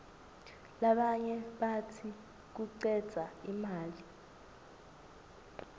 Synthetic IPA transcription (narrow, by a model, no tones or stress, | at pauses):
laɓaɲɛɓatʰi | k̬uǀɛd̥z̥ʱaimaːli